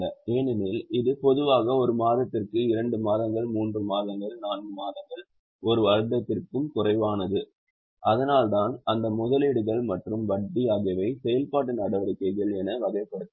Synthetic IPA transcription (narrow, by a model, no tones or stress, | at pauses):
ɐeːnɪnɪlɪðɯpɔðɯʋaːɣɐɔɾɯmaːðɐt̪ːɪrkɯɪɾɐɳɖɯmaːðɐŋɡɐɭmuːndrɯmaːðɐŋɡɐɭnaːnɡɯmaːðɐŋɡɐɭ | ɔɾɯɐɾðɐt̪ːɪrkɯmkʊrɐɪʋaːnɐðɯ | ʔɐðɐnaːlt̪aːnɐnd̪ɐmʊðɐlɪɽɯɣɐɭmɐʈrɯmʋɐʈːijaːɣɐʋɐɪsɛjɐlpaːʈ̬ːɯnɐɽɐʋɐɽɯkːɐɪɣɐɭɛnɐʋɐɣɐjpːɐɽɯt̪ː